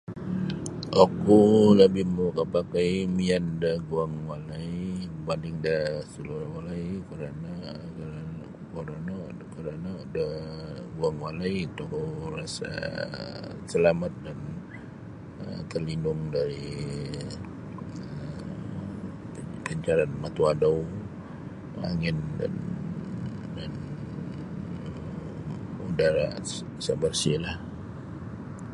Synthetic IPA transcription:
ʔakuləbɪhmukəpakajmiandəɡuaŋwalaibandɪŋdasəluɾawalaikəɾana | k | ukoɾana | kəɾanadaɡuaŋwalajt̪ukurasa̰ | səlamat̪̚dan | ət̪ərlinʊŋdaɾi | ə | pəɲt͡ʃaɾanmat̪uadaw | ma̰ŋɪnda̰n | dan | udaɾa | sabarsilah

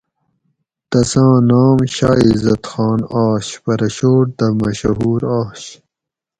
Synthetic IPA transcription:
t̪ɐsãːnaːmɕaːizɐt̪xɑːnaːɕpɐɾɐɕoːʈ̚d̪ɐmɐɕɦuːɾɑːɕ

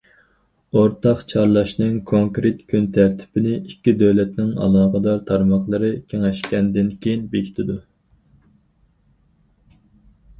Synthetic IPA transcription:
oɾt̪ʰɑqt͡ʃʰɑɾlˠɑʃnɨŋkʰoŋkɾet̪kʲʰynt̪ʰæɾt̪ʰɪ̥pɪnɪikʲːid̪øwlɛt̪nɪŋɑ̰lˠɑːqəd̪ɑɾt̪ʰɑɾmɑqlˠɨɾɨkʲʰeŋɛʃkʲɛnd̪ɪnkʲʰejinbekʲʰi̥t̪ʰɪd̪u

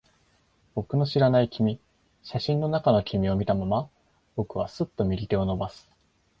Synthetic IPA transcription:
b̥o̞kɯ̟no̞ɕiɾanaikʲimʲi | ɕaɕĩnːo̞nakano̞kʲimʲio̞mʲit̪amama | b̥o̞kɯ̟β̞asɨt̪ːo̞mʲiɾʲit̪e̞o̞no̞basɨ̥

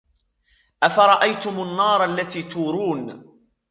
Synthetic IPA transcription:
ʔafɑɾˤɑʔajt̪ʊmanːɑːɾˤalːat̪iːt̪uːɾuːn

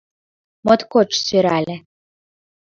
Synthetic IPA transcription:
mot̪kot͡ʃsøɾælʲĕ

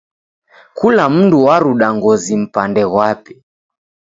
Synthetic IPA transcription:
kulam̩nduwaɾuɗaŋɡɔzim̩pandɛɣwapɛ̥

